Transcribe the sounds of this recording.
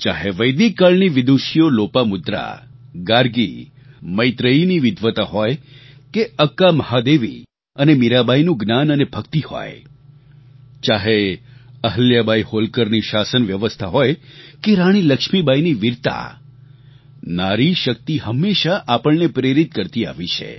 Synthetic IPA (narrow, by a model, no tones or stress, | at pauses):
t͡ʃaɦeʋəjd̪ikːaɭniʋɪd̪uʃijolopamʊd̪ɾa̰ɡaɾɡi | məjt̪ɾəiniʋɪd̪ʱʋət̪aɦɔjkeəkːaməhad̪eʋḭ | ənemiɾabajnũɡnanənebʱəkt̪iho̰j | t͡ʃaɦeəɦəljabʱajholkəɾniʃasənʋjəʋəst̪ʰaɦojkeɾaɽ̃iləkʃmibajniʋiɾt̪a̰ | naɾiʃək̚t̪iɦəmːeʃaʔapəɭnepɾeɾit̪̚kəɾt̪ia̰ʋit͡ʃʰḛ